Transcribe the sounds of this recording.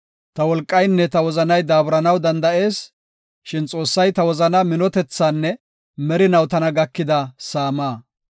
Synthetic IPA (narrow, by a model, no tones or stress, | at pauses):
t̪ɐwɔlkʼːɐjnːɛt̪ɐwɔzɐnɐjd̪aːbɾɐnɐwd̪ɐnd̪ɐʔe̞ːs | ʃɪnt͡sʼo̞ːsːɐjt̪ɐwɔzɐnɐmɪnɔt̪ɛt͡sːaːnːɛ | mɛɾɪnɐwt̪ɐnɐɡɐkːɪd̪ɐsaːmaː